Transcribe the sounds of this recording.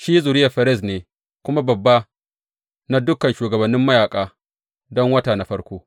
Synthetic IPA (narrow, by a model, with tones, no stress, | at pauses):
ʃiː˦zu˨ɾɪ˦jɐ˨ɸɐ˨ɾɪ˦˨s̬neː˨ | kʷʊ˦ma˦bɐ˨bːa˦ | na˦dʊ˦kɐ˨nʃuː˨ɡɐ˨bɐ˨nːɪ˦mːɐ˦jaː˨kʼaː˨ | dɔ˦ŋwɐ˦taː˨na˨ɸɐ˦ɽkʷoː˦